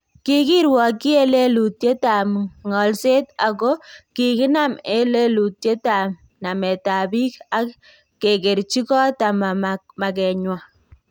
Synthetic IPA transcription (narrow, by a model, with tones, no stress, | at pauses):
kɪ˦kɪ˦ɾwɔ˨ki˦e˦le˦lu˨tje˦ta˨mŋɔ˨lse˦ta˨kɔ˦kɪ˨kɪ˦na˦me˦le˦lu˨tje˦ta˨m | na˨mɛ˨ta˨bi˦ka˦ | kːe˨ke˨ɾt͡ʃi˦kɔ˦ta˨ma˨ | ma˨kɛ˨ɲwa˨